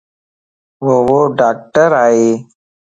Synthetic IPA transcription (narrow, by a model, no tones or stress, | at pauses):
ʋoʋoːɖaːk̚ʈəɾaːeː